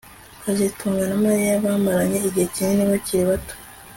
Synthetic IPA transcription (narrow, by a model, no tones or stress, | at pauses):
kaʒetʰuːŋɡanamaɾijaβaːmaɾaɲe̞iɟihecineniβaciɾiβato̥